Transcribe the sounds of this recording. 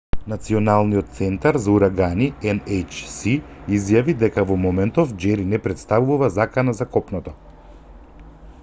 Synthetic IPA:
nat̪siɔnalˠniɔt̪t̪sɛnt̪aɾzauɾaɡaniɛnejt͡ʃsiizjavid̪ɛkavɔmɔmɛnt̪ɔvd͡ʒɛɾinɛpɾɛt̪st̪avuvuvazakanazakɔpnɔt̪ɔ

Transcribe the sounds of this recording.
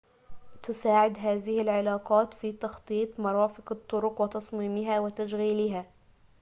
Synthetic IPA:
t̪ʊsaːʕɪd̪ɦaːðɪhɪlʕɪlaːqɑːt̪fiːt̪ɑxt̪ˤiːt̪ˤmɑɾˤɑːfɪqɑt̪ˤːʊɾʊqwɪt̪ɑsˤmiːmɪɦaːwɪt̪aʃɣiːlɪɦaː

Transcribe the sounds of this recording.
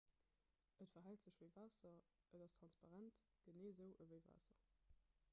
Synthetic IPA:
ʔətfɐɦæltz̥əɕv̥əɪvaːsɐʔədɑstʁ̥ɑnspɑʁæntɡ̥əneːzəʊʔəvəɪva̰ːsɐ

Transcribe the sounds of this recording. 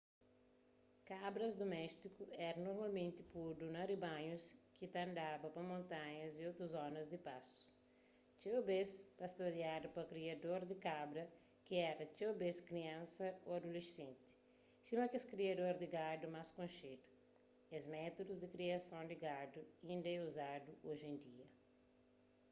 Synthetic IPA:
kabɾɐzd̪omɛst̪ikuɛɾɐnoɾmawmẽnt̪ɪpuɾd̪unɐɾibãɲuskit̪ɐ̃nd̪abɐpɐmõnt̪ãɲɐziowt̪ɾuzɔnɐzd̪ipasu̥ | t͡ʃ̪ewbespɐst̪oɾjad̪upɐkɾiad̪oɾd̪ikabɾɐ | kiɛɾɐt͡ʃewbeskɾiɐ̃nsɐoad̪ulesẽnt̪i̥ | simɐkeskɾiad̪oɾd̪iɡad̪umaskõnʃed̪u̥ | ezmɛt̪od̪uzd̪ikɾiɐsõnd̪iɡad̪uĩnd̪ɐɛuzad̪uoʒẽnd̪iɐ

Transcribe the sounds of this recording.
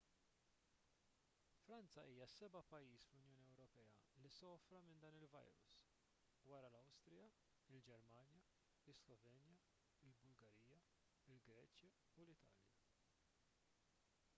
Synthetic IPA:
fɾɐnt͡sɐʔiːjɐsɛbɐpɐjːiːsflʊnjɔːniɛwɾɔpɛːɐlisɔːfɾɐmɪnd̪ɐːnɪlvɐ̰jɾʊ̰s | wɐɾɐlɐwst̪ɾɪjɐ | ɪld͡ʒɛɾmɐːnjɐ | ɪslɔvɛːnjɐ | ɪlbʊlɡɐɾijːɐ | ɪlɡɾɛːt͡ʃjɐ | ulɪt̪ɐ̰ːljɐ̰

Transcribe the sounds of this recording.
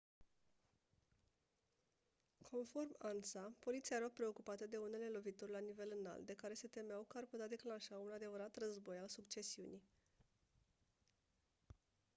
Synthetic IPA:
kʰo̞nfo̞rmansapo̞lit̪siaeɾapɾe̞o̞kupat̪əd̪e̞une̞le̞lo̞vit̪orʲlanive̞lɨna̰lt̪̚d̪e̞kaɾe̞se̞t̪e̞meawkəarput̪ead̪e̞klanʃaunad̪e̞vəɾat̪rəzbo̞jalsukt͡ʃe̞siuni

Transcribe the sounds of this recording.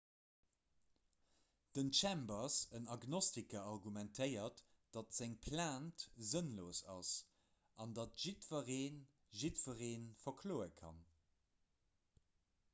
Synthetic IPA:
d̥ənʃæmbɐsənɑɡnɔstikɐɑʁɡumæntʰəɪɐt | d̥ɑtz̥æŋpʰlaːntzənloːsɑ̰s | ʔɑndɑtʒ̥itfɐʁeːn | ʒitfəʁeːnfɐkʰloːəkʰɑ̰n

